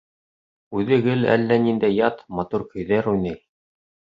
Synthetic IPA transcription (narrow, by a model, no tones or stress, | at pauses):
ʉðɘ̆ɡɘlæ̰lːænind̪æjːɑt̪mɑt̪uɾkɵ̆jðæɾujnɤj